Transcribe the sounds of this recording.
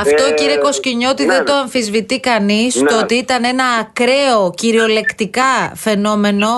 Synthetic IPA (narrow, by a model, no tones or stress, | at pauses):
ɐft̪o̞ciɾieko̞sciɲo̞t̪iðend̪o̞ɐɱfizvit̪ikɐnist̪oot̪iit̪ɐnenɐːkɾe̞o̞ciɾio̞le̞kt̪ikɐfe̞no̞me̞no̞